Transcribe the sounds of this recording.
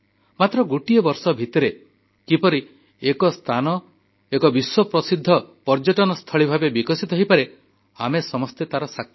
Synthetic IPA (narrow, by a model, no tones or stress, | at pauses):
mat̪ɾɔɡuʈijɔbɔɾsɔbʱit̪ɔɾe | kipɔɾi | ekɔst̪ʰanɔ | ekɔbiswɔpɾɔsid̪ʱːɔpɔɾd͡ʒɔʈɔnɔst̪ʰɔɭibʱabebikɔsit̪ɔɦipaɾe | a̰mesɔmɔst̪et̪aɾɔsak